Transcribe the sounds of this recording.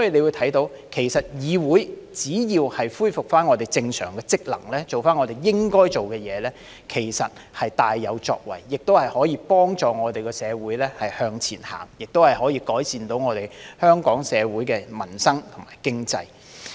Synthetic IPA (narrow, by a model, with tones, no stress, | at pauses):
sɔ˨˥jiː˨le˨˧jwu˨˧t̪ʰɐ˨˥jt̪o˧˥w | kʰe˨˩jsɐ˨t̚jiː˨˧wuː˨˥jt͡siː˨˥jiː˧whɐ˨jfuː˥jfʊ˨k̚faː˥nŋɔ˨˧t̪̬e˨˩jt͡sɪ˧ŋsœ̰ː˨˩ŋkɛː˧t͡sɪ˥k̚lɐ̰˨˩ŋlɛː˥t͡so˨wfaː˥nŋɔː˨˧te˨˩jːɪ˥ŋkɔː˥jt͡ʃo˨wkɛː˧jɛː˨˧lɛː˥ | kʰe˨˩jsɐ˨t̚hɐ˨jt̪aː˨jːɐ˨˧wt͡ʃɔ̰ː˧k̚wɐ̰˨˩jːɪ˨k̚t̪o˥whɐ˨jhɔː˨˥jiː˧pɔː˥ŋt͡sɔː˨ŋɔː˨˧t̪e˨jkɔː˧sɛː˨˧wuː˨˥jlɛː˥hɐ˨jhœː˧ŋt͡sʰiː˨˩nha̰ː˨˩ŋjɪ˨k̚t̪o˥whɐ˨jɦɔː˨˥jiː˧kɔː˨˥jsiː˨nt̪o˨˥wŋɔː˨˧t̪e˨˩jhœː˥ŋkɔː˨˥ŋsɛː˨˧wuː˨˥jkɛː˧mɐ˨˩nsɐ˥ŋt̪ʰʊ˨˩ŋmaː˨˩jkɪ˥ŋt͡sɐ̰˧j